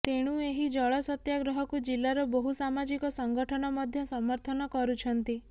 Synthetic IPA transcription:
t̪eɽ̃ueɦid͡ʒɔɭɔsɔt̪jaɡɾɔɦɔkud͡ʒilːaɾɔbɔɦusamad͡ʒikɔsɔŋɡɔʈʰɔnɔmɔd̪ʱjɔsɔmɔɾt̪ʰɔnɔkɔɾut͡ʃʰɔnt̪i

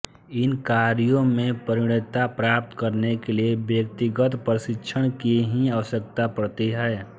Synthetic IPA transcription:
ɪnkaːɾijõmẽpəɾɪɽ̃ɪt̪apɾaːp̚t̪kəɾnekeliebjək̚t̪ɪɡət̪pəɾsɪtːʃʰəɽ̃kiɦiəʋəʃəkt̪apəɾt̪iɦɛː

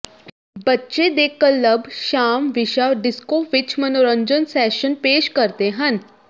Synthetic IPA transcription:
bətːʃed̪eːkəlːəbʱʃaːmʋɪʃaɖɪskoːʋɪt͡ʃmɐnoːɾə̃ɲd͡ʒənsɛːʃənpeːʃkəɾt̪eɦən

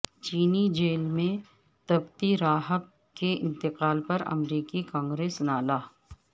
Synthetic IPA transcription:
t͡ʃiːnid͡ʒeːlmẽ | t̪ɐbt̪iɾaːɦəkː | eɪ̰̃nt̪ɪqaːlpɐɾɐ̰mɾiːkikãːŋɡɾeːsnaːlaː

